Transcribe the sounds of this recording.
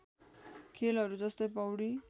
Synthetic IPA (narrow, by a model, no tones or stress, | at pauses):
kʰelɦʌɾud͡zʌst̪ʌjpʌwɽi